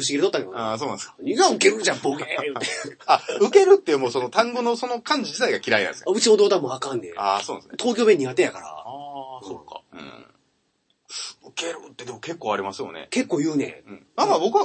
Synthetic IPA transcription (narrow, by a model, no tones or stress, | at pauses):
ɯ̟ɕ̬iɡʲiɾet̪ot̪ːakeasoːnãskḁɲiɡaɯ̟keɾɯ̟d͡ʑãmboɡejɯ̟t̪eaɯ̟ke̞ɾɯ̟t̪ːeɯmoso̞not̪ãŋɡonoso̞nokãɲ̟d͡ʑid͡ʑit̪aiɡakʲiɾainã̰skaɯ̟t͡ɕiod̪oːt̪ãmːoakãnd̪easoːnãsnt̪ʰo̞ːkʲo̞ːmeɲ̟ːiɡat̪ejakaɾa̰sokːa̰ɯ̰̃ | ɯ̟ke̞ɾɯ̰t̪ːe̞d̪e̞moke̞kːoːaɾʲimasɨjo̞̰nḛke̞kːo̞ːjɯ̟ːnḛ̃ɯ̟̃ɴnãkabo̞kɯβa